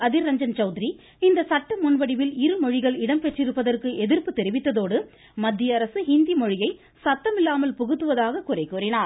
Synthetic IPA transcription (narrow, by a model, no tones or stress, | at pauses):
ɐðɪɾɐɲd͡ʒɐnt͡ʃɐʊðɪɾi | ɪnd̪ɐsɐʈːɐmʊnʋɐɽɪʋɪlɪɾɯmɔɻɪɣɐɭɪɽɐmpɛʈrɪɾɯpːɐðɐrkɯʔɛðɪrpɯt̪ːɛɾɪʋɪt̪ːɐðoːɽɯ | mɐd̪ːɪjɐɐɾɐsɯhɪnd̪imɔɻɪjɐɪ | sɐt̪ːɐmɪlːaːmɐlpʊɣɯt̪ːɯʋɐðaːɣɐkʊrɐɪkːuːɾɪnaːɾ